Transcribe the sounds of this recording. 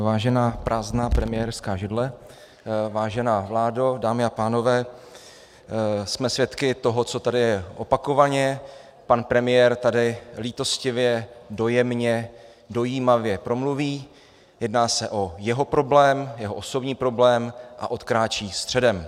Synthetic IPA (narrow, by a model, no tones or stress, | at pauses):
vaːʒɛnaːpɾʔaːznaːpɾɛmɪjɛɾskaːʒɪdlɛ | vaːʒɛnaːvlaːdodaːmɪapaːno̞vɛː | smɛsvjɛt̪kɪt̪o̞ɦo̞t͡so̞t̪adɪjɛʔo̞pako̞vaɲɛ | panpɾɛmɪjɛːɾt̪adɪliːt̪o̞scɪvjɛdo̞jɛmɲɛ | do̞jiːmavjɛpɾo̞mluviː | jɛdnaːsɛʔo̞jɛɦo̞pɾo̞blɛːmjɛɦo̞ʔoso̞bɲiːpɾo̞blɛːmʔa̰ʔo̞t̪kɾaːt͡ʃiːst̪r̝̥ɛdɛm